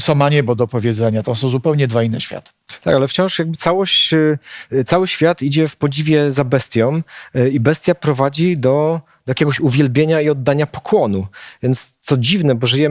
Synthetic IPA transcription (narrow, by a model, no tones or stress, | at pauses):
sɔ̃maɲɛbɔd̪ɔpɔvʲjɛd̪zɛɲat̪ɔ̃sɔ̃w̃zupɛwɲɛd̪vainːɛ̰ɕfʲja̰t̪ | t̪a̰kalɛft͡ɕɔ̃ʂjaɡ̚bɘt̪sawɔɕt͡ɕ | t̪sawɘɕfʲjat̪id͡ʑɛfpɔd͡ʑivʲjɛzabɛst̪ʲjɔ̃mibɛst̪japɾɔvad͡ʑid̪ɔ | d̪̥ɔjakʲɛɡɔɕuvʲjɛlbʲjeɲaiɔd̪ːaɲapɔ̥kʰwɔnuvʲjɛnt̪st̪sɔd͡ʑivnɛbɔʐɨjɛ